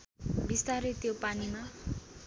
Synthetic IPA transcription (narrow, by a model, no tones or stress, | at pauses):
bist̪aɾet̪jopanima